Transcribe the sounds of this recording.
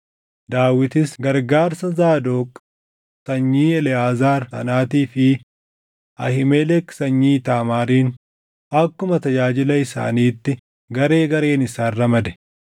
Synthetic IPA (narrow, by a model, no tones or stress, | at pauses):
d̪aːwɪt̪ɪsɡɐɾɡaːɾsɐzaːd̪oːkʼ | sɐɲːiːɛlɛaːzaːɾsɐ̰naːt̪iːfɪ | ʔɐhɪmelɛksɐɲːiːt̪aːmaːɾiːn | ɐkːʊmɐt̪ɐd͡ʒaːd͡ʒɪlɐɪsa̰ːniːt̪ːɪ | ɡɐɾe̞ːɡɐɾe̞ːnɪsaːrːɐmɐd̪ɛ̥